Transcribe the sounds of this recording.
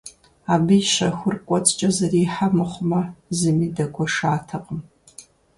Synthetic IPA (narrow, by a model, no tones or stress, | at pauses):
aːbɨjʃɐxʷʊrkʷʼɔt͡sʼt͡ʃʼɐzɐriːħamɐχʷʊmɐzɨmiːdɐkʷʰʼɔʂaːtʰɐqʼəm